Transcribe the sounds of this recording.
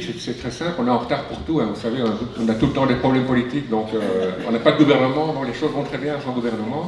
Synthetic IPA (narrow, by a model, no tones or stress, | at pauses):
sɛt̪sɛt̪χɛsɛ̃plɔ̃neɑ̃ʁət̪aʁpuʁt̪uɛ̃vusaveɔ̃nat̪uɔ̃nat̪ulət̪ɑ̃d̪epχɔblɛmpɔlit̪ikd̪ɔ̃køɔ̃napad̪əɡuvɛʁnəmɑ̃d̪ɔ̃kleʃozvɔ̃t̪χɛbjɛ̃sɑ̃ɡuvɛʁnəmɑ̃